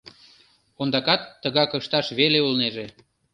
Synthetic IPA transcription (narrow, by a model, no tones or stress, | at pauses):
ond̪ɑkɑt̪ːəɣɑkəʃt̪ɑʃβeleulneʒe